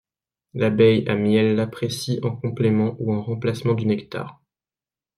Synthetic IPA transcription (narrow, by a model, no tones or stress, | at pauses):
labɛjamjɛlːapχesiʔɑ̃kɔ̃plemɑ̃ʔuɑ̃ʁɑ̃plasmɑ̃d̪ynɛkt̪a̰ːʁ